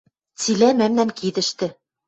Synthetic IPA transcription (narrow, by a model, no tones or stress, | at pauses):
t͡silæmæmnæmkid̪ɘ̆ʃt̪ɘ̆